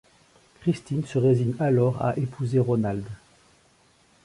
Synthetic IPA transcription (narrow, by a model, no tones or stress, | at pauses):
kχist̪insəʁeziɲalɔʁa̰ʔepʰuzeʁonald̪